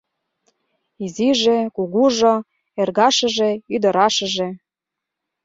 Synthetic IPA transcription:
iziʒĕkuɣuʒŏ | erɣɑʃə̆ʒĕyd̪ɤ̆ɾɑʃə̆ʒĕ

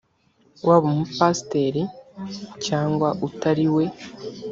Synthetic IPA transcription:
wʔaβumupasteɾi | caːŋɡwaʔutaɾiwe̞

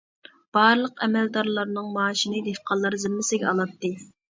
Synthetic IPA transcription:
b̥ɑɾlˠəqɛmɛld̪ɑɾlˠɑɾnɨŋmɑːʃinɨd̪efqʰɑlˠːɑɾzɪmːɪsɪɡʲɛɑlˠɑt̪ːɨ

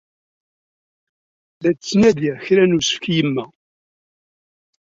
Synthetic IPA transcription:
læt͡sːnæðjæçɾænusə̥fkjəmːæ

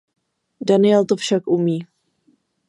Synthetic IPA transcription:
danɪɛlt̪ofʃakʔumiː

